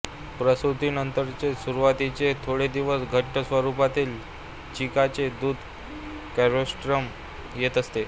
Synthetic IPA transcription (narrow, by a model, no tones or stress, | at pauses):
pɾəsɾut̪iːnənt̪əɾt͡sesuɾuʋat̪it͡set̪ʰoɽed̪iʋəsɡʱəʈːəsʋəɾupat̪iːl | t͡ɕikat͡sed̪uːd̪ʱ | kɛɾosʈɾəm | jet̪əst̪e